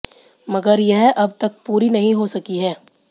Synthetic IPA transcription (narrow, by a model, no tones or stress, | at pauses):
mɐɡəɾjɛɦʔɐbt̪ɐk̚puːɾinɐɦĩɦosɐkiɦɛː